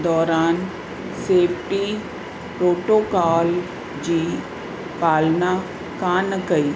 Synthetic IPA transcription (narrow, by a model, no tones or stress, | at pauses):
d̪ɔːɾaːn | seːpʈi | pɾoːʈoːkaːl | d͡ʒiː | paːlna | kaːnəkəi